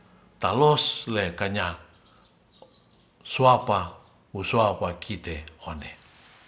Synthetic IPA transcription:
t̪aloslekaɲa | suapa | wusuapakʰit̪eone

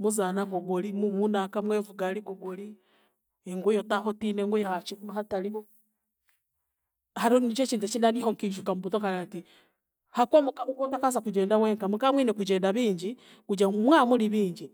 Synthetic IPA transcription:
muzanaɡoɡolimumunakamweːvuɡaliɡoɡoli | eŋɡujotaɦotineŋɡujahat͡ʃikumaɦataliβo | haɾonit͡ʃot͡ʃiːntut͡ʃinalihoŋkiʒukamuβutokaɾati | hakwomukamukotakas̬akud͡ʒeːndaweːŋkamukamwinekud͡ʒeːndaβiːɲd͡ʒi | kud͡ʒamwamuliβiːɲd͡ʒi

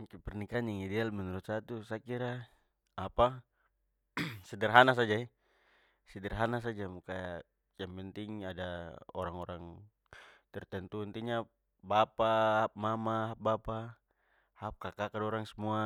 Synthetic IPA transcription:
kɛpɛrnikanjaŋidɛalmɛnuɾut̪̚sat̪usakiɾa | apa | sɛdɛrɦanas̬ad͡ʒaɛ | sɛdərɦanas̬ad͡ʒamukaja | jampɛnt̪iŋadao̰ɾaŋoɾaŋ | t̪ɛrt̪ɛnt̪uɛnt̪iɲa | bapahap̚mamaɦap̚bapa | hap̚kakakadoɾaŋsəmua

